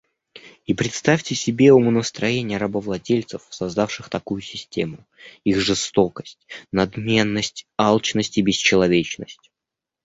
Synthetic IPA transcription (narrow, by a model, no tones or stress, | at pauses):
ipɾʲɪt̪st̪afʲtʲɪsʲɪbʲe̞umənəst̪ɾɐjenʲɪjəɾɐbəvlˠɐdʲelʲt̪səfsɐzd̪afʂɨxt̪ɐkujʊsʲɪsʲtʲe̞mʊ | ixʐɨst̪o̞kəsʲtʲnɐd̪mʲe̞nːəsʲtʲɑlˠt͡ɕnəsʲtʲɪbʲɪst͡ɕɪlˠɐvʲet͡ɕnəsʲtʲ